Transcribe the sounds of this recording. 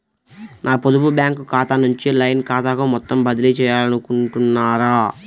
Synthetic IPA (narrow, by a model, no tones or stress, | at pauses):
naːpod̪ububjaːŋkukaːt̪anuɲt͡ʃilɐjnkaːt̪aːkumɔt̪ːɐmbɐd̪ilit͡ʃɛːjaːlɐnukuɳʈunːaːɾaː